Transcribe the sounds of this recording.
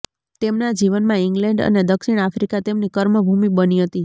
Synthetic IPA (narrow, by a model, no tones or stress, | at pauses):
t̪emnad͡ʒiʋənmãɪŋɡlɛɳɖə̰ned̪əkʃiɳ̃afɾikat̪emnikəɾməbʱumibəniɦət̪i